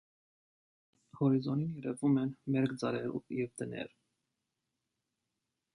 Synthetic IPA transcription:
hɔɾizɔninjɛɾɛvumɛnmɛɾkd͡zɑɾɛɾṵjɛvd̪ənɛ̰ɾ

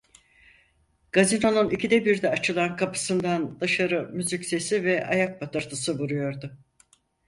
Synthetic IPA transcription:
ɡ̥azino̞nunicʰid̪ɛbiɾd̪ɛat͡ʃʰɯlˠankʰapʰɯ̥sɯnd̪and̪aʃaɾɯmyzycse̞sivɛʔa̰jak̚bat̪ʰɯɾt̪ʰɯsɯbuɾujo̞ɾd̪ʊ

